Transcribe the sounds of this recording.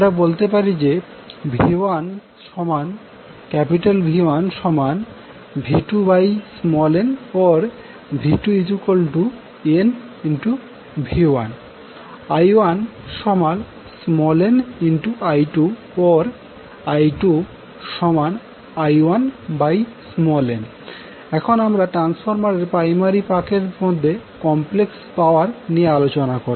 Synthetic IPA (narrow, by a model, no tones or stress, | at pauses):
amɾabolt̪epaɾid͡ʑe | bʱiwan | ʃɔman | kɛpiʈalbʱiwanʃɔman | bʱiʈubajsmɔlenɔɾ | bʱiʈuid͡ʑukolʈu | en | inʈu | bʱiwan | ajwanʃɔmal | smɔleninʈuʔajʈu | ɔɾ | ajʈu | ʃɔman | ajwanbajsmɔlen | ɛkʰonamɾaʈɾansfʰoɾmaɾeɾpɾajmaɾipakeɾmod̪ʱːekɔmplekspaoaɾnijealot͡ɕonakoɾi